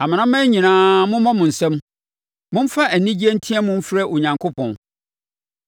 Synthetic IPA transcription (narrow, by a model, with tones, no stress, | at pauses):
a˨mɪ̃˨nã˦mɛ̃˦ɲĩ˨nãː˦mʊ̃˦mã˦mʊ̃˨n̩˨sɛ̃˦m | mʊ̃˦m̩˦fa˦ʔæ˨nĩ˦d͡ʑi˦æ˦n̩˦tʰĩ˦ɛ˦mʊ̃˦m̩˦fɾɛ˦ʔo˨ɲã˨ŋkʰʊ˦pʰɔ̃˨n